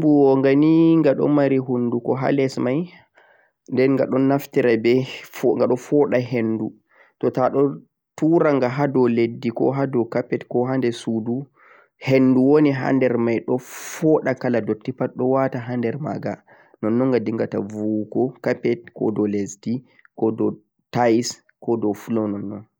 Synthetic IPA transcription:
buɔŋɡaniŋɡaɗɔ̰maɾiɦundukɔɦa̰lɛsmaj | ndɛnŋɡa̰ɗɔnːaftiɾabɛŋɡaɗɔfɔɗaɦenːdu | tɔtaɗɔ | tuɾaŋɡaɦadɔledːikɔ̰ɦadɔkapɛtkɔɦandɛsudu | henːduwoniɦa̰ndɛɾmajɗɔfɔɗakaladɔtːipatɗɔwataɦandɛɾma̰ːɡa | nɔnːɔŋɡadiŋɡatavukɔkapɛt̚kɔ̰dɔlesdi | kɔdɔ | tajs | kɔdɔfulɔnɔnːɔn

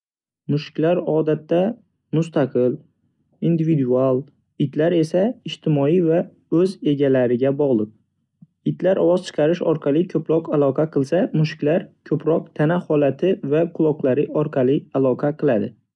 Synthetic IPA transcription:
mʊʃɪ̥kʲlaɾɒd̪at̪ːa | mʊst̪ʰaqʰɨl | ind̪ɪvid̪ualˠ | ɪt̪laɾe̞saɪʃt̪ʰɪmɒiva | ɵze̞ɡʲalaɾɪɡʲabɒʁlˠɨp̚ | ɪt̪laɾʔɒwɒz̥t͡ʃʰɨ̥qʰɑɾɪʃɒɾqʰɑlˠɪkʰɵpʰɾɒqalˠɒqʰɑqʰɨlˠsamʊʃɪ̥kʲlaɾkʰɵpɾɒq̚t̪ʰanahɒlat̪ʰɪvaqʰʊlˠɒqlˠaɾɪɒɾqʰɑlɪalˠɒqʰɑqʰɨlˠad̪ɪ

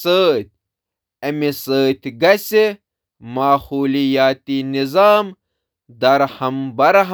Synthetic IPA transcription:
əːt̪̚ʲ | ɐmisəːt̪ɡɐse | maːhuːlijaːt̪inizaːm | d̪ɐɾhɐmbɐɾɦ

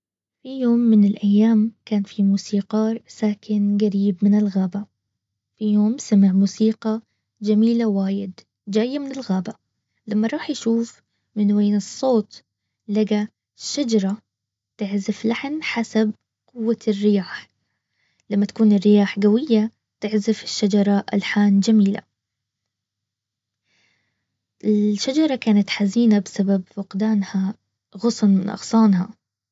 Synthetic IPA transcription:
fijoːmːɪnɪlʔajːaːmkaːnfimuːsiːqɑːɾˤsaːkʰɪnɡaɾiːbmɪnɪlɣaːba | fijoːmsamaʕmuːsiːqɑ | d͡ʒamiːlawaːjɪd̪ | d͡ʒaːjːamɪnɪlɣaːba | lamːɑɾˤɑːħjaʃuːf | mɪnweːnɨsˤːoːt̪ | laɡa | ʃːad͡ʒɑɾˤɑ | t̪ɪʕzɪflaħnħasab̚ | qʊwːarːɪjaːħ | lamːat̪ḁkuːnɪrːɪjaːħɡawɪjːa | t̪ɪʕzɪfɪʃːad͡ʒɑɾˤɑʔa̰lħaːnd͡ʒamiːla̰ | ʔɪʃːad͡ʒɑɾˤɑkaːnat̪ħaziːnabɪsababfʊqd̪aːnha | ɣʊsˤnʔɑ̰ɣsˤɑːnha

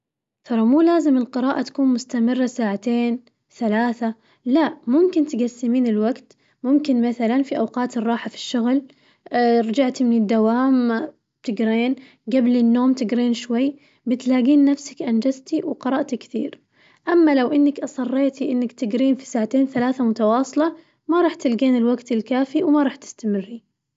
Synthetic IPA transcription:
t̪ʰɑɾˤɑmuːlaːzɪmɪlqɨɾaɑːʔat̪ḁkuːnmʊst̪amɪrːasaːʕat̪eːn | θalaːθa | laʔmʊmkɪnt̪ɪɡasːɪmiːnɪlwaɡt̪ | mʊmkɪnmaθalanfiʔawqɑːt̪ɨrˤːɑːħafi̥ʃːʊɣl | ɾˤɑd͡ʒaʕt̪imɪnɪd̪ːawaːm | bt̪ɪɡɾeːn | ɡablɪnːoːmt̪ɪɡɾeːnʃwajː | bɪt̪laːɡiːnːafsḁkʔand͡ʒazt̪iwqɑɾˤɑʔt̪ikθḭːɾ | ʔamːalawʔɪnːakʔɑsˤɑrˤːeːt̪iʔɪnːakt̪ɪɡɾiːnfi̥saːʕat̪eːnθalaːθamʊt̪ɑwɑːsˤlɑ | maɾˤɑːħt̪ɪlɡeːnɪlwaɡt̪ɪlkaːfiwmaɾˤɑːħt̪ɪ̥st̪amɪrːi

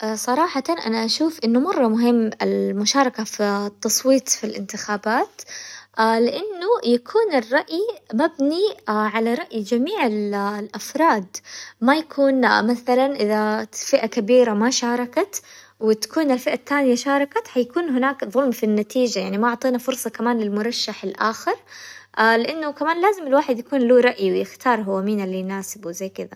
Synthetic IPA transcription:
ʔasˤɑɾˤɑːħɑt̪ɑnʔa̰naʔaʃuːfʔɪnːʊmɑrˤːɑmʊɦɪmːɪlmʊʃɑːɾˤɑkafit̪ːɑsˤwiːt̪ˤfilʔɪ̰nt̪ɪxaːbaːt̪ʔaːlɪʔanːujakʰuːnɪrˤːɑʔjimabniaʕalaɾˤɑʔjd͡ʒamiːʕɪllʔafɾˤɑːd̪majakʰuːnmaθalanʔɪðafɪʔakabiːɾamaʃɑːɾˤɑkat̪ | wɪt̪ḁkuːnalfɪʔat̪ːaːnɪjaʃɑːɾˤɑkat̪ħajakuːnɦɪnaːkðˤʊlmfinːat̪iːd͡ʒajaʕnimaʔʊʕt̪ˤiːnafʊɾsˤɑkamaːnlɪlmʊɾˤɑʃːaħɪlʔa̰ːxɪɾˤʔalɪʔanːʊkamaːnlaːzɪmɪlwaːħɪd̪jakuːnluːɾˤɑʔjiwɪjɪxt̪ʰɑːɾˤɦʊwːamiːnalːijnaːsɪbwɪzajːkɪd̪a

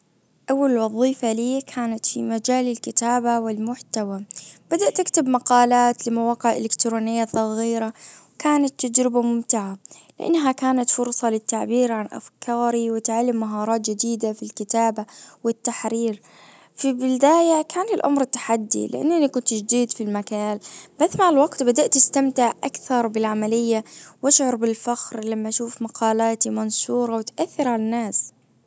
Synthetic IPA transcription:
ʔawːalɪlwɑðˤiːfaliːkʰaːnat̪fimad͡ʒaːlɪlkɪt̪aːbawɪlmʊħt̪awab̥ad̪aʔt̪ɪkt̪ɪbmaqɑːlaːt̪lɪmawaːqɪʕʔɪ̰lɪkt̪ɾuːnɪjːasˤɑɣiːɾawkaːnat̪ːad͡ʒɾɪbamʊmt̪ɪʕalɪʔa̰nːɦakaːnat̪fʊɾsˤɑlɪt̪ːaʕbiːɾʕanʔa̰fkʰɑːɾiwɪt̪ʕalːɪmːaɦɑːɾˤɑːt̪d͡ʒɪd̪iːd̪afilkɪt̪aːbawɪt̪ːaħɾiːɾ | fibɪld̪aːjakʰaːnlɪlʔa̰mɾɪt̪ːḁħad̪ːḭlɪ̰ʔa̰nːʔɪnikʊnt̪d͡ʒd̪iːd̪filmakaːnb̥asːmaʕlwaɡt̪bad̪aʔt̪ːɪst̪amt̪ɪʕʔa̰kθɑɾˤbɪlʕamalɪjːawaʃʕʊɾˤbɪlfaxɾlamːaʔaʃuːfmaqɑːlaːt̪imansuːɾˤɑwɪt̪ʔaθːɪɾʕalanːaːs

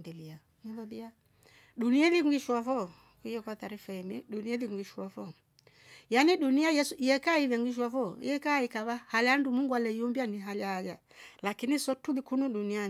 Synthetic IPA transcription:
dilia | niðɔðia | ɗunialiŋɡiʃwavɔ | kijɛkwataɾifaimɛɗunialiŋɡiʃavɔ | janiɗuniajɛsuijɛkaivaŋɡiʃ̬wavɔḭjɛkaikaβahalandumuŋɡwalɛjɔmbianiɦalaɡa | lakinisɔtulikunuɗunia

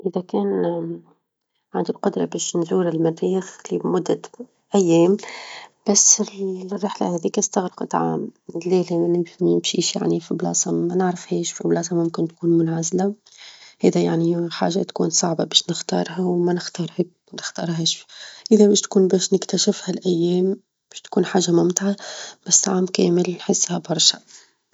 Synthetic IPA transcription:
ʔɪðækɛːn | ʕand̪ilqʊd̪ɾˤɑbɛːʃnzuːɾɪlmærːiːxlimʊd̪ːa | ʔæjːɛːmb̥æs | rˤːɪħla̰hɛðiːkæst̪aɣɾɪqɑt̪ʕa̰ːmlːɛːlɪmʃiːʃja̰ʕnifiblɑ̰ːsˤɑmɛnəʕɾəfhɛːʃfiblɑːs̬ˤɑmʊmkɪnt̪̚kuːnmʊnʕazla | hɛːðæjaʕniħa̰ːʒat̪kuːnsˤɑʕbabɛːʃnɪxt̪ɑ̰ːɾˤɦawmænɪxt̪ɑːɾˤhɛk̚ | nɪxt̪ɑːɾˤɦɛːʃfʔɪðæbɛːʃt̪kuːnbɛːʃnɪkt̪æʃɪfhælʔæjːɛːm | b̥ɛːʃt̪kuːnħaːʒːamʊmt̪ʕab̥æsːʕaːmkɛːmɪlnħɪsːhæbɑɾˤʃɑ

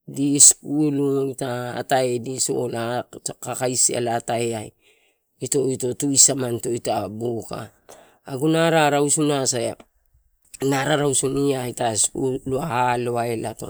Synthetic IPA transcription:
dispulujta̰ːtaediso̰lakakajsia̰lataeaj | ito̞ito̞tujsamanto̞jtabuka̰ː | ɡunaɾaɾawsunasaja | naɾaɾawsuniajtaspṵluahaloaelato̞̰

